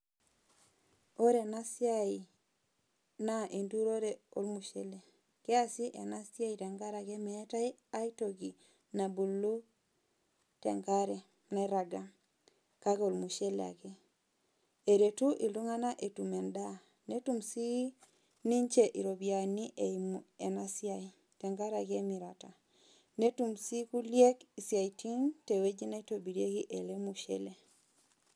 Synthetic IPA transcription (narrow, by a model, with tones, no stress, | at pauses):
o˦ɾe˨na˦sja˦i˨ | na˦ʔe˨ndu˦ɾo˦ɾe˨o˦lmu˨ʃe˦le˨ | ke˦a˦si˦ʔe˨na˦sja˦i˨te˨ŋɡa˦ɾa˨ke˦me˦ta˦i | a˦ito˨ɡi˨ | na˨bu˨lːu˦ | tḛ˨ŋɡa˦ɾe˨ | ne˦ɾa˨ɡa˦ | ka˦ko˨lmu˨ʃe˦lḛ˨a̰˨ke˦ | e˨ɾe˨tu˦ʔi˨ldu˦ŋa˦na˦ʔe˨tu˨mɛ˨nda˦ | ne˦tu˦msi˦ | ni˦ɲt͡ʃe˨ʔi˨ɾo˨bja˨ni˦ʔemɛ˨na˦sja˨i | tɛ˨ŋka˦ɾa˨ke˦mi˨ɾa˨ta˨ | ne˦tu˨msi˦ku˦lje˦ki˨sja˨itʰi˦nte˨we˦d͡ʒi˦na˦to˨bi˨ɾe˦ki˦ʔe˨le˦mu˨ʃɛ̰˦le˨